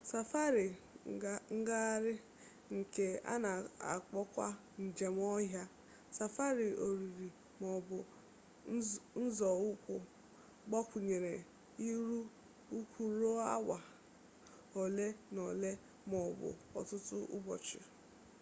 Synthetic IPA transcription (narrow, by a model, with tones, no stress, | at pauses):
sa˨fa˦ɾi˨ | ŋ̩˦ɡa˦ɾɪ˦ | ŋ̩˨ke˨a̰˦na˨a̰˨k͡pɔ˦kʷa̰˦ | n̩˨d͡ʒe˨m˦ɔ˦ɦja˦ | sa˨fa˦ɾi˨o˨ɾi˨ɾi˨ | mɔ˨bʊ˨˦ | n̩˦zɔ˨ʊ˦kʷʊ˨ | ɡ͡bɔ˦kʷu˨ɲe˨ɾe˨ | i˦ɾu˦ | u˦kʷu˨ɾo˦a˦wa˨ | o˨le˦nɔ˨le˦ | mɔ˨bʊ̰˨ɔ̰˨tʊ˦tʊ˦ʊ̰˦bɔ˨t͡ʃɪ̰˨